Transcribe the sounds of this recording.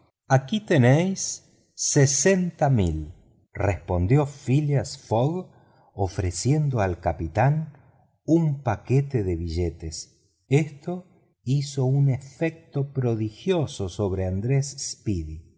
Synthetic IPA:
akit̪enejsː | ese̞nt̪amḭl | respo̞nd̪jo̞filjasfoɣ | ofɾesje̞nd̪oalkapit̪an | umpaket̪eðeβiʒet̪es | est̪o̞ | iso̞unefek̚t̪opɾo̞ðixjososoβɾeand̪ɾesspiði

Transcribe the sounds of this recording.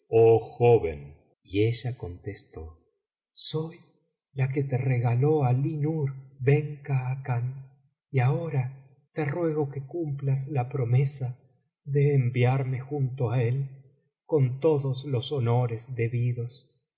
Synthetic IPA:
oxoβḛn | ieʒako̞nt̪est̪o̞ | so̞j | lak̬et̪ereɣalo̞alinuɾβeŋkaːkan | iao̞ɾa | t̪e̞rwe̞ɣ̞o̞kekumplaslapɾo̞me̞sa | ðeːmbjaɾme̞xunt̪oae̞l | ko̞nt̪o̞ðoslo̞so̞no̞ɾezd̪e̞βiðo̞s

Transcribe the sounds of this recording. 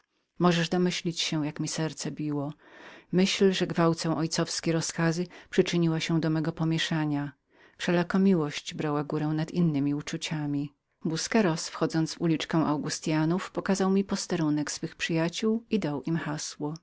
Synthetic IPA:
mɔʐɛʐd̪ɔmɘɕlʲit͡ɕɕɛ̃jakmʲisɛɾt̪sɛbʲiwɔmɘɕlʐɛɡvawt̪sɛ̃w̃ʔɔjt̪sɔfskʲejɾɔskazɘpʂɘt͡ʂɘɲiwaɕɛ̃d̪ɔmɛɡɔpɔmʲjɛʂaɲa | fʂɛlakɔmʲiwɔɕt͡ɕbɾawaɡuɾɛw̃nad̪inːɘmʲiut͡ʂut͡ɕamʲi | buskɛɾɔsfxɔd̪zɔnt̪zvulʲit͡ʂkɛw̃ʔawɡust̪ʲjanufpɔkazawmʲipɔst̪ɛɾunɛksfɘxpʂɘjat͡ɕuwid̪awʔimxaswɔ

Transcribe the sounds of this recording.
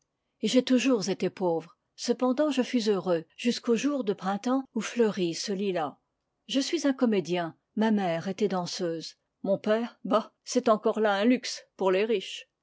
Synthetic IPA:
eʒet̪uʒuʁzet̪epovʁ | səpɑ̃d̪ɑ̃ʒəfɥizøʁøʒyskoʒuʁd̪əpχɛ̃t̪ɑ̃ufləʁisəlila | ʒəsɥizɛ̃kɔmed̪jɛ̃ | mamɛʁet̪ɛd̪ɑ̃søːz | mɔ̃pɛːʁbasɛt̪ɑ̃kɔʁlaɛ̃lykspuʁleʁiʃ

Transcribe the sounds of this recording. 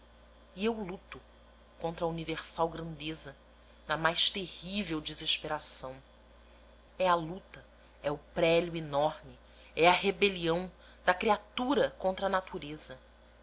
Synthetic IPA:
iewlut̪ʊ | kõnt̪ɾɐuniveɾsawɡɾɐ̃nd̪ezɐ | nɐmajʃt̪ehivewd͡ʒizeʃpeɾasɐ̃w̃ | ɛɐlut̪ɐ | ɛʊpɾɛljʊinɔɾmɪ | ɛɐɦebeliɐ̃w̃ | d̪ɐkɾiat̪uɾɐkõnt̪ɾɐnat̪uɾezɐ

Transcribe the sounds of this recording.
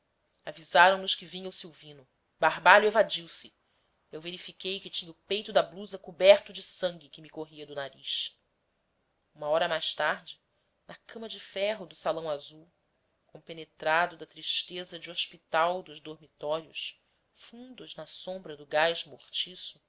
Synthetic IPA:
avizaɾɐ̃w̃nʊʃkɪvĩɲɐwsiwvĩnʊ | baɦbaʎuevad͡ʒiwsɪ | ewveɾifikejkɪt͡ʃĩɲɐʊpejt̪ʊd̪ɐbluzɐkubɛɾt̪ʊd͡ʒɪsɐ̃ŋɡʲɪkɪmɪkoɦiɐd̪ʊnaɾiʃ | ũmɐɔɾɐmajʃt̪aɾd͡ʒɪ | nɐkɐ̃mɐd͡ʒɪfɛɦʊd̪ʊsalɐ̃w̃azuw | kõpenet̪ɾad̪ʊd̪ɐt̪ɾiʃt̪ezɐd͡ʒɪoʃpit̪awd̪ʊʒd̪oɾmit̪ɔɾjʊʃ | fũnd̪ʊznɐsõmbɾɐd̪ʊɡajʒmoχt͡ʃisʊ

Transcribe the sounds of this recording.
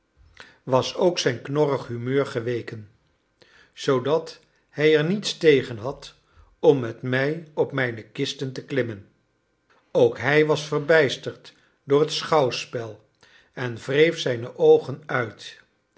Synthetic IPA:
ʋɑsowksɛjnknɔrəχɦymøːɹχəʋejkən | z̥owdɑt | hɛjɛɹnitstejχənɦɑt | ɔmːɛtmɛjɔpmɛjnəkɪstəntəklɪmən | owkɦɛjʋɑsfəɹbɛjstəɹt | dʊːɹɦətsχɑwspɛlˠ | ɛnvrejfsɛjnəʔowχənœɥt

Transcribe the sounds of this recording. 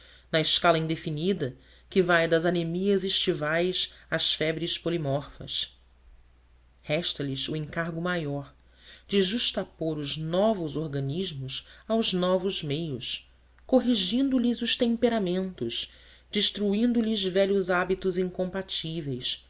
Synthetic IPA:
nɐɪʃkalɐĩd̪efinid̪ɐ | kɪvajd̪ɐzanimiɐzeʃt͡ʃivajsɐsfɛbɾɪʃpolimɔɾfɐ̰s | hɛʃt̪ɐliʃʊẽŋkaɾɡʊmajɔɾ | d͡ʒɪʒuʃt̪apoɾʊznɔvʊzoɾɡɐniʒmʊʃawznɔvʊzmejʊs | koɦiʒĩnd̪ʊlizʊʃt̪ẽmpeɾamẽnt̪ʊʃ | d͡ʒiʃt̪ɾuĩnd̪ʊlizvɛʎʊzabit̪ʊzĩŋkõmpat͡ʃivejs

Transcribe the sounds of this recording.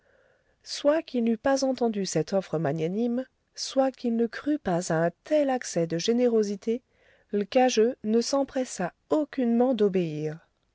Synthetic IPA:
swakilnypazɑ̃t̪ɑ̃d̪ysɛt̪ɔfχəmaɲjanim | swakilnəkχypazaɛ̃t̪ɛlaksɛd̪əʒeneʁozit̪ʰe | ləkaʒønəsɑ̃pχɛsa | okʲynmɑ̃d̪obeiːʁ

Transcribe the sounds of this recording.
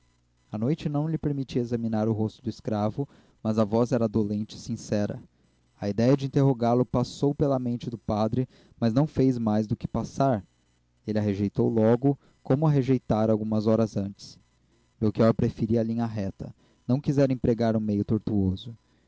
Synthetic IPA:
ɐnojt͡ʃɪnɐ̃w̃lɪpeɾmit͡ʃiezɐminaɾʊɦost̪ʊd̪ʊiskɾavʊ | mɐzɐvɔzɛɾɐd̪olẽnt͡ʃɪɪ̥sĩsɛɾɐ̰ | ɐid̪ɛjɐd͡ʒɪĩnt̪eɦoɡaɾlʊpasowpelɐmẽnt͡ʃɪd̪ʊpad̪ɾɪ | mɐznɐ̃w̃fejzmajzd̪ʊkɪ̥pasaɾ | elɪɐɦeʒejt̪owlɔɡʊ | kõmʊɐɦeʒejt̪aɾawɡũmɐzɔɾɐzɐ̃nt͡ʃɪ̥s | mewkiɔɾpɾefiɾiɐlĩɲɐɦɛt̪ɐ̰ | nɐ̃w̃kizɛɾẽpɾeɡaɾũmejʊt̪oɾt̪uozʊ

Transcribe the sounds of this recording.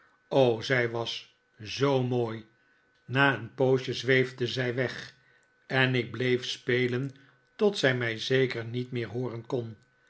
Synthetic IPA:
owzɛjʋɑs | zowmoːj | naːənpowʃəzʋejvdəzɛjʋɛχ | ɛnɪɡ̚blejfspejlən | tɔtsɛjmɛjzejkəɹnitmɪːɹɦoːrənkɔn

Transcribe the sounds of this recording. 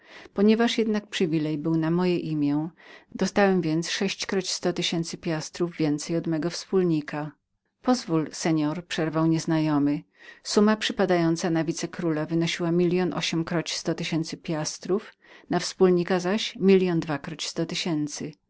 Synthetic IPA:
pɔɲɛvaʂjɛd̪nak̚pʂɘvʲilɛjbɘwnamɔjɛʔimʲjɛd̪̥ɔst̪awɛmvʲjɛnt̪sʂɛɕt͡ɕkɾɔt͡ɕst̪ɔt̪ɘɕɛnt̪sɘpʲjast̪ɾuvːʲjɛnt̪sɛjɔd̪mɛɡɔfspulɲika | pɔzvulsɛɲɔɾpʂɛɾvawɲɛznajɔmɘ | sumapʂɘpad̪ajɔnt̪sanavʲit̪sɛkɾulavɘnɔɕiwamʲilʲjɔnʔɔ̰ɕɛmkɾɔt͡ɕst̪ɔt̪ɘɕɛnt̪sɘpʲjast̪ɾuf | nafspulɲikazaɕmʲilʲjɔnd̪vakɾɔt͡ɕst̪ɔt̪ɘɕɛnt̪sɘ

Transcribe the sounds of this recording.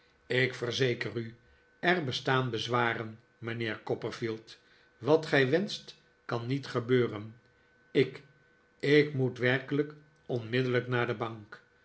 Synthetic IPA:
ɪkfərzejkəry | ɛrbəstaːnbəzʋaːrən | məneːɹkɔpərfilˠt | ʋɑtχɛjʋɛnst | kɑnːitχəbøːrən | ɪk | ɪkmutʋɛrkələk | ɔnmɪdələknaːɹdəbɑŋk

